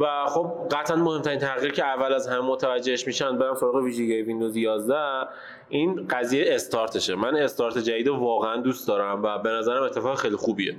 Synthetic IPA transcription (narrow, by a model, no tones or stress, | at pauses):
væχob̚ɢæt̪ʰʔænmo̞hemt̪ʰæɾint̪ʰæɣiɾcʰeævːælæzhæmemot̪ʰævæd͡ʒːeeʃmiːʃænd̪beɾæmsoɾɒːɣeviːʒiɡejvind̪ozjɒːzd̪æ | ʔinɢæzijeːst̪ʰɒɾt̪ʰe̞ʃemæne̞st̪ɒːɾt̪ʰed͡ʒæd̪iːd̪evɒːɣeænd̪uːst̪d̪ɒːɾæmvæbe̞næzæɾæme̞t̪ʰːe̞fɒːɣxejlixuːbiḛ